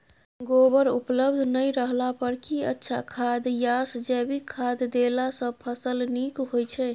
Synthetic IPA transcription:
ɡobəɾupləbd̪ʱnəjɾəɦlapəɾkiətːʃʰakʰad̪jasd͡ʒɛbikʰad̪ːelasə̃pʰəsəlnikɦojt͡ʃʰɛ

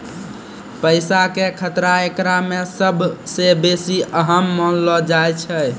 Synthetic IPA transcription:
pəɪsakekʰət̪ɾaekɾamesəbʱsebesiʔəɦəmːənlɔd͡ʒajt͡ʃʰə

